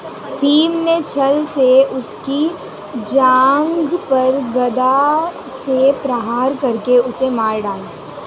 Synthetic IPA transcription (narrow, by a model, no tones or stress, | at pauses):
piːmnet͡ʃʰɐlseʊski | d͡ʒaːŋɡpɐɾɡɐd̪a | sepɾɐɦaːɾkɐɾkeʊsemaːɾɖaːlaː